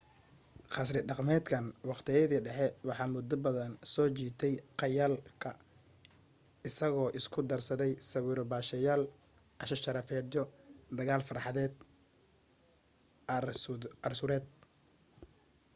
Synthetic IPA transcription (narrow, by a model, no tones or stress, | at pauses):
qɑs̬rɪɖɑqmɛːd̪kʰɐnwɑqt̪ʰɪjɐðiːɖɛħɛwɑħɑːmʊd̪ːɔbɐðɐnsɔːt͡ʃiːt̪ʰɛjqɑjaːlkʰɐ | ɪsɐɣɔːʔɪskʰʊd̪ɐrsɐðɛjsɐwiːɾɔbaːʃɐjaːl | ʔɐʃɐʃɐɾɐfɛːd̪jɔd̪ɐɣaːlfɐrħɑðɛːd̪ | ɐrsʊɾɛːd̪̚